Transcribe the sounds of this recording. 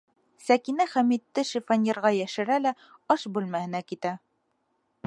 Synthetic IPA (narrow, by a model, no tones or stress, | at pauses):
sækinæχæmit̪ːɘʃifɑnʲiɾʁɑjæʃɘ̆ɾælæ | ɒʃbʉlmæhɘ̆nækit̪æ